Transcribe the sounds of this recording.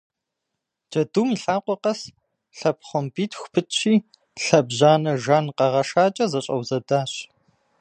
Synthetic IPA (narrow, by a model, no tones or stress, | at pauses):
d͡ʒɐduːmiɬaːqʷɔqɐs | ɬɐpχʷɔmbiːtʰxʷʊ̥pʰɨt͡ʃʰiː | ɬɐbʑaːnɐʒaːnqɐʁɐʃaːt͡ʃʼɐzɐɕʼɐwzɐdaːɕ